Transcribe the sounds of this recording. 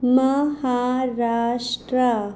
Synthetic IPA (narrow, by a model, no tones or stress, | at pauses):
mɐhaːɾaːʂʈɾɐ